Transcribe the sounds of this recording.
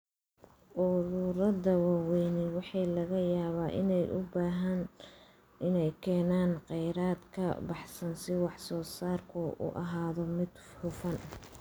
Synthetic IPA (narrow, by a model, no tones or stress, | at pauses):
ʔʊɾʊɾɐðɐwɑːwɛjnɪwɑħɑjlɐɣɐjaːβaːʔɪ̰nɛjʔʊ̰baːɦɐn | ɪnɛjkʰɛːnaːnqɛjɾaːd̪kʰɐ̰bɑħsɐnsɪwɑħsɔːsaːrkʰʊʊ̰ʔɐɦaːðɔmɪd̪ | ħʊfɐn